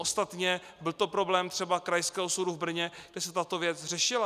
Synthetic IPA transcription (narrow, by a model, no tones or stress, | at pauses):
ʔost̪at̪ɲɛ | bɪlt̪o̞pɾo̞blɛːmt̪r̝̥ɛbakɾajskɛːɦosuɾuvbr̩ɲɛɡ̥dɛsɛt̪at̪o̞vjɛt͡sr̝ɛʃɪla